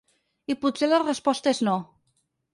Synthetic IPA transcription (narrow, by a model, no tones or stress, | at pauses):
iput̪selərəspɔst̪əezno